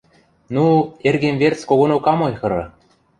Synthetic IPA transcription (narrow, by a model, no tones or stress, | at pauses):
nuerɡʲemʲvʲert͡skoɣonokɑmojxɤ̆ɾɤ̰̆